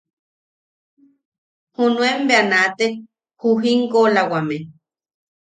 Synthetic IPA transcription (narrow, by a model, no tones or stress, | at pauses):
hunũembeanat̪e | huɦiŋkolawamẽ